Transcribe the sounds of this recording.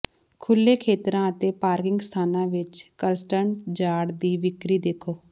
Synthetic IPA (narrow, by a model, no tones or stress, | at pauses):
kʰʊlːeːkʰeːt̪ɾãːət̪eːpaːɾkɪŋɡst̪ʰaːnãːʋɪt͡ʃkəlsʈəɳd͡ʒaːɽd̪iːʋɪkɾiːd̪eːkʰoː